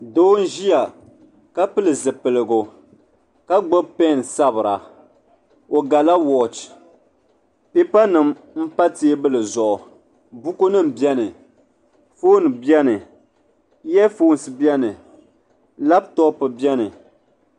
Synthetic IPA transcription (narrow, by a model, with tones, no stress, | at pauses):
doː˦n̩˦ʒi˦ja˨ | ka˦pɨ˦lɨ˨zɨ˨pɨ˨lɨ˨ɡo˨ | ka˦ɡ͡bo˦bpɛ˦˨n˨sa˦bɨ˨ɾa˨ | o˨ɡa˨la˦wɔ˨t͡ʃ | pe˦pa˦nɨ˨m | m̩˦pa˦ti˦e˦bɨ˦lɨ˨zɔ˨ʔʊ˨ | bu˦ko˦nɨ˦m̩˨bjɛ˦nɨ˨ | foː˦n˨bjɛ˦nɨ˨ | jɛ˦foː˦n˨sɨ˨bjɛ˦nɨ˨ | la˦b̚tɔ˦pɨ˨bjɛ˦nɨ˨